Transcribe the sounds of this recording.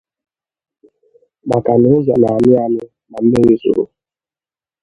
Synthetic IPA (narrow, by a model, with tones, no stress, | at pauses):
ba˨ka˨nɪ˨˦za̰˨na˨a˨mɪ˦a˦nɪ˦ | na˨m̩˦e˦ŋi˦sṵ˨ɾṵ˨